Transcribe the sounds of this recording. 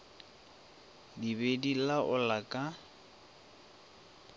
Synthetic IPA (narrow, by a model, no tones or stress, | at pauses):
dibedilaʔʊlakʼa